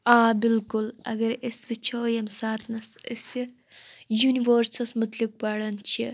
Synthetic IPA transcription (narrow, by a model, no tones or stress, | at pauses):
aːbɪlkulɐ̰ɡɐɾesʋit͡ʃʰɐːjɐmsaːt̪ʰnɐsɐsɐ | juniʋoɾsɐsmut̪lik̚baɽɐnt͡ʃʰi